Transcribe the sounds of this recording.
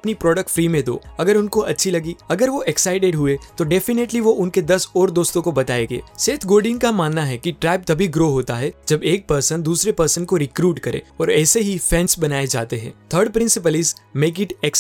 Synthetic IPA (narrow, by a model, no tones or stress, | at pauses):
ɐpnipɾɔːɖək̚ʈfɾiːmẽd̪o̰ːɐɡəɾʊnkoɐtːʃʰilɐɡiɐɡəɾʋoʔeksaɪʈeɖɦʊet̪oɖɛːfɪneʈliʋoʔʊnked̪ɐsɔːɾd̪oːst̪õkobɐt̪aːeːɡḛːseːt̪ʰɡoːɖɪ̃ŋɡkamaːnːaɦɛkiʈɾɛːp̚t̪ɐbʱiɡɾoːɦoːt̪aɦɛd͡ʒɐbeːk̚pɐɾsə̃nd̪uːsɾepɐɾsənkoɾɪkɾuːʈkɐɾḛ̃ɔːɾɛːseɦifɛ̃nsbɐnaːed͡ʒa̰ːt̪eɦɛ̰̃ːt̪ʰəːɾɖ̚pɾɪ̃nsɪp̬əlɪzmeːk̬ɪʈɛks